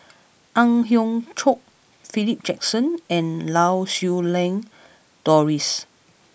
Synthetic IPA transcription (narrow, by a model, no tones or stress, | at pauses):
ʔãŋɦjɔ̃ŋt͡ʃʰok̚ | filip̚d͡ʒɛk̚sə̃nɛ̃nlawsjulɛ̃ŋ | d̥ɔɹis